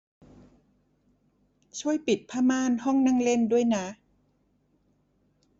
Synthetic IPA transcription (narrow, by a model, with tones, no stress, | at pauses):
t͡ɕʰu˥˩əjpi˨˩t̪̚pʰaː˧˥maː˥˩˨nhɔ˥˩ŋnaː˥˩˨ŋle˥˩ndu˥˩əjna˦˥